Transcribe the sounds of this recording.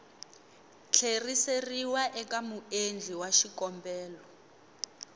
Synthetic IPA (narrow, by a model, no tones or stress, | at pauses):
t͡ɬʰeriseriwaʔɛkamuend͡ɮʱiwaʃikɔmbɛːlɔ